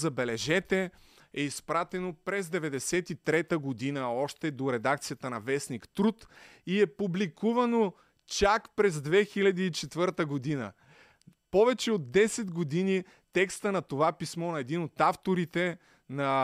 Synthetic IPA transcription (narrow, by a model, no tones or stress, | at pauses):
zɐbɛlɛʒɛt̪ɛ | ɛispɾat̪ɛnopɾɛzd̪ɛvɛd̪ɛsɛt̪it̪ɾɛt̪əɡod̪inəɔʃt̪ɛd̪oɾɛd̪akt̪sijɐt̪ənɐvɛsnikt̪ɾut̪iɛpublikuvɐno | t͡ʃakpɾɛzd̪vɛxilʲɐd̪iːt͡ʃɛt̪vɤɾt̪əɡod̪inə̰ | pɔvɛt͡ʃɛod̪̚d̪ɛsɛd̪ɡod̪ini | t̪ɛkst̪ənɐt̪ovapismɔnɐɛd̪inot̪aft̪oɾit̪ɛ | nɐ